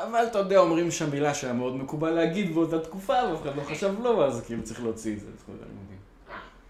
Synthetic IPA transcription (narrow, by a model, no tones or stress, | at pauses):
avalt̪ajod̪eaomʁimʃeamilaʃajameo̞d̪mekubalːeaɡid̪beot̪at̪kufaveafeχad̪lo̞χaʃavlo̞vazkiilut͡saʁiχleot͡siezḛχo̰nḭmodḭn